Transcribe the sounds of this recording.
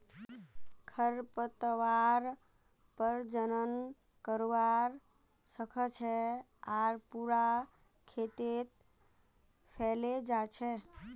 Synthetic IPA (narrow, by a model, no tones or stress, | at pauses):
kʰəɾpət̪əʋaɾ | pəɾd͡ʒənən | kəɾʋaɾ | səkʰət͡ʃʰɛ | aɾpuɾa | kʰet̪et̪ | pʰɛled͡ʒat͡ʃʰɛ